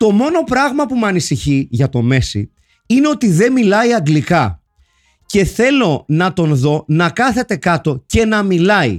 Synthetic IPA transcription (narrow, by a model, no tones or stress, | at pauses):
t̪o̞mo̞no̞pɾɐɣmɐpumeɐnisiçiʝɐt̪o̞me̞sḭ | ine̞o̞t̪iðe̞milɐiɐŋɡlikɐ | ce̞θe̞lo̞nɐt̪o̞nðo̞nɐkɐθe̞t̪e̞kɐt̪o̞ce̞nɐmilɐḭ